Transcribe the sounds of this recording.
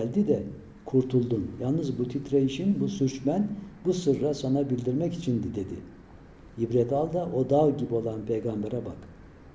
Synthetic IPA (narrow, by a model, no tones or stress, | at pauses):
lʲd̪id̪ɛ | kʰuɾt̪ʰulˠd̪unjalˠnɯzbut̪ʰit̪ɾaiʃinbusyɾt͡ʃmænbusɯɾːasonabilʲd̪iɾmɛcit͡ʃʰind̪id̪e̞d̪i | jibɾɛt̪ʰalˠd̪aʔo̞d̪avɟibio̞lˠanpʰejɡambɛɾɛbak